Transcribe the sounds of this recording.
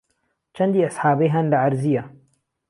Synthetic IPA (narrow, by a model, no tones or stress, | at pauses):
t͡ʃɐnd̪iʔasħaːbɐjɦɐndaʕaɾzija